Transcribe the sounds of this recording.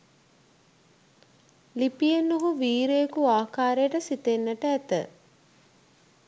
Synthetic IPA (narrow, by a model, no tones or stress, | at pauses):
lipijenːuɦuʋiːɾejekuaːkaːɾejəʈəsit̪enːəʈəæt̪ə